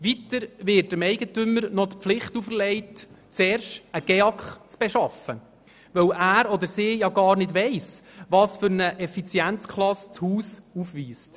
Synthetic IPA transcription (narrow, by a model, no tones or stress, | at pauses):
ʋitəɾʋɪɾtəmɛɪɡətʏmːəɾnɔt̪pflɪχtufəɾlɛɪtt͡sɛːrʃtəɡ̥ɛɑkχt͡sb̥eʃɑfə | ʋœwʔæːɾɔd̪əɾsɪːjɑɡɑːɾnɪdʋɛɪsʋɑːsfʏɾnəʔɛfit͡sjænt͡skχlˠɑst͡shuːsufʋiːst